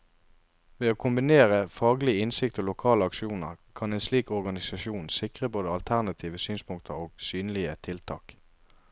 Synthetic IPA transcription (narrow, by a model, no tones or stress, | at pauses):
ʋeːoːkʰʊmbɪneːʁəfɑːɡlɪəɪnsɪkt̪oːlʊkʰɑːləɑkʃuːnə̰ʁkʰɑneːnsliːkɔʁɡɑnɪsɑʃuːnsɪkʁəboːd̪əɑlt̪ʰæʁnɑt̪ʰiːʋəsyːnspʰʊŋk̚t̪ʰəʁoːɡ̥syːnəlɪət̪ʰɪlt̪ʰɑ̰ːk